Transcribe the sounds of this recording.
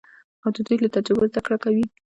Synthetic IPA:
awd̪əd̪ujlat̪ad͡ʒabazd̪akɽakawi

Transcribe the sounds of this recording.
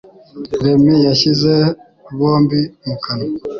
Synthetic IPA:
ɾemijaʃize | βoːmbimukʰano

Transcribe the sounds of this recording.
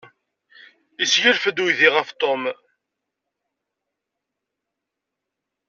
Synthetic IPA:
isʝəɾfəd̪wjðiʁəft̪ˤom

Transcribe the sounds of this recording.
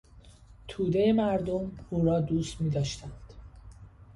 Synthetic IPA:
t̪ʰuːd̪e̞jemæɾd̪omuːɾɒːd̪uːst̪miːd̪ɒːʃt̪ænd̪̥

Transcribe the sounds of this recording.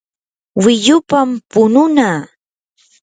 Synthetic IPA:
wɪʎʊpampʊnʊnaː

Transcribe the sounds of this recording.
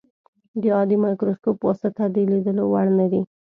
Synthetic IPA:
d̪əɑd̪imɑjkɾoskoposat̪ad̪əlid̪əlowaɽnad̪i

